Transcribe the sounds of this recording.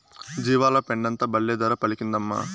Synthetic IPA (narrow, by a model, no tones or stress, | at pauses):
d͡ʒiːʋaːlɐpeɳɖɐnt̪ɐbɐɭːeːd̪ɐɾɐpɐɭikind̪ɐmːɐ̰ː